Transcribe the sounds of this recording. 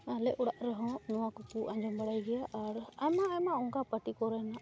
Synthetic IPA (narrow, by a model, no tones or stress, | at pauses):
alɛʔɔɽaʔɾəɦɔ̃nɔwakɔpuʔãɲd͡ʒɔmbəɽajɡɛjaʔaɾajmaːjmaɔŋkapəʈikɔɾəjna